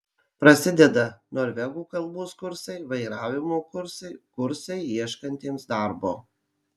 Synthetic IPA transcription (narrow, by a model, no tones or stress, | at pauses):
pɾɐsʲɪd̪ʲɛd̪ɐnoːɾʲʋʲɛɡuːkɐlˠˑboːskʊɾsɐɪʋɐɪɾɑːʋʲɪmoːkʊɾsɐɪkʊɾsɐɪiɛʃkɐnʲt̪ʲeːmsd̪ɑˑɾboː